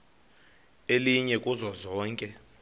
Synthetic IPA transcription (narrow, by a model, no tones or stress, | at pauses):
eliɲɛkʼuzɔzɔːŋkʼɛ